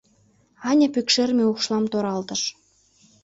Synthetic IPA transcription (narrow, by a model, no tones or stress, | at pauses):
ɑnʲɑpykʃermeuχʃlˠɑmt̪oɾɑlt̪ə̆ʃ